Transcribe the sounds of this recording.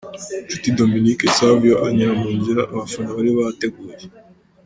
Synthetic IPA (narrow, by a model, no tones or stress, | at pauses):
t͡ʃutidominikesavjoʔaɲaamuːɲɟiɾaʔːβafunaβaɾiβaate̞ɡuːje